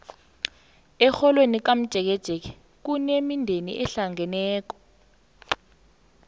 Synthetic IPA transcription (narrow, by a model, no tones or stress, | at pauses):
ɛxɔlwenik̬am̩d̥ʒ̥ʱɛk̬ɛd̥ʒ̥ʱɛk̬ɛ̥ | k̬unemindʱenḭʔɛɬaŋɛnɛːk̬ɔ̥